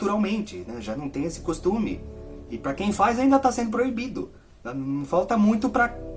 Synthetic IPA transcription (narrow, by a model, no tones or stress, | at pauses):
t̪uɾawmẽnt͡ʃɪnɛʒanɐ̃w̃t̪ẽj̃esɪ̥kost̪ũmɪ̰ɪpɾɐkẽj̃fajzaĩnd̪ɐt̪asẽnd̪ʊpɾoibid̪ʊ̰ | nɐ̃fawt̪ɐmũj̃t̪ʊpɾɐ